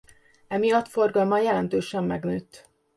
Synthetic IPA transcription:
ɛmijɒt̪fo̞rɡɒlmɒjɛlɛnt̪øːʃɛmːɛɡnøːt̪ː

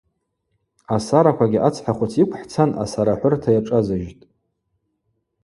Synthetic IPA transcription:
asaɾakʷaɡʲiʔat͡sʰħaχʷʊt͡sʰikʷʰʼħt͡sʰana̰saɾaħʷʊrtʰajaʈ͡ʂʼazaʒtʼ

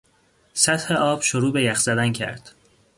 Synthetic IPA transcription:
sæt̪he̞ʔɒːb̥ʃoɾuːbe̞jæxz̥æd̪æncʰæ̰ɾd̪̥

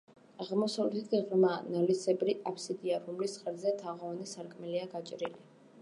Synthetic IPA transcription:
aʁmɔsavlɛt̪ʰit̪kiʁɾmaːnalisʰɛbɾiʔapʰsid̪iaɾumlisχʼɛɾzɛt̪ʰaʁɔɔnisaɾkʼmɛliaɡat͡ʃʼɾili

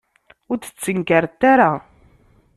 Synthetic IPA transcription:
ʊɾθə̥t͡sːəŋkəɾt̪ːaɾa

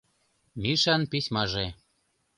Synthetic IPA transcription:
miʃɑnpisʲmɑʒe

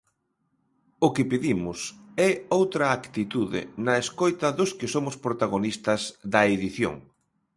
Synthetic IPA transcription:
ʊkɪpiðimʊsɛowt̪ɾɐakt̪it̪uðɪ̰nɐeskojt̪ɐðʊskɪsomʊspɾot̪aɣ̞onist̪ɐzðɐeðiθjo̰ŋ

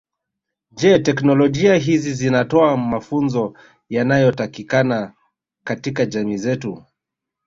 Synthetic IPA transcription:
d͡ʒɛtɛknɔlɔʄiaɦizizinatɔamafunzɔ | janajɔtakikana | katikaʄamiːzɛtu

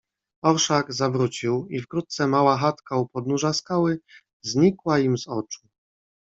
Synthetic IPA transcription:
ɔɾʂaɡzavɾut͡ɕiwifkɾut̪̚t̪sɛmawaxat̪kaupɔd̪̚nuʐaskawɘ | zɲikwaimzɔt͡ʂu̥

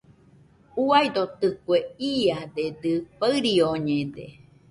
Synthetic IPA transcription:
uajd̪ot̪ɨkueiad̪ed̪ɨpaɨɾioɲẽd̪ḛ

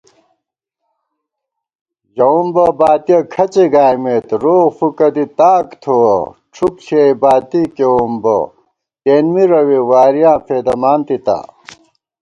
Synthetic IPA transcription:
ʑɐumbɐbaːt̪ijɐkʰɐt͡ɕeɡaːjmet̪ɾoːɣfukɐd̪it̪aːkt̪ʰuwɐʈ͡ʂʰukɕeibaːt̪ikeumbɐ̰ | keːnmiɾɐwiwaːɾijãːpʰeːd̪ɐmaːnt̪it̪a̰

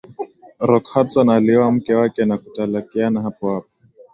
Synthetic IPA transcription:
ɾɔkhatsanaliɔwam̩kɛwakɛnakutalakianaɦapɔhap̚ḁ

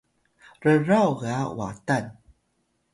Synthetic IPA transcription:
ɾəɾawɣawa̰tan

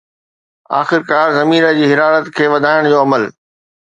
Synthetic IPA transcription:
a̰ːxɪɾkaːɾzɐmiːɾəd͡ʑiːɦɪɾaːɾət̪kʰeːʋɐd̪ʱaːɪɽ̃d͡ʑoːɐməl

